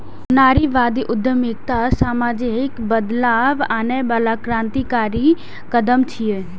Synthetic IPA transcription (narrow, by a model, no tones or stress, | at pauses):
naːɾiʋaːd̪iʔʊd̪ʱəmɪk̚t̪asaːmaːd͡ʒɪkbəd̪laːʋaːnebaːlakɾãːnt̪ikaːɾi | kəd̪əmt͡ʃʰieː